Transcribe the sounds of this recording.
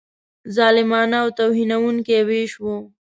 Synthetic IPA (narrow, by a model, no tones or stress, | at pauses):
zɑːlɪmɑnaːwt̪awɦinawuŋkeweʃwo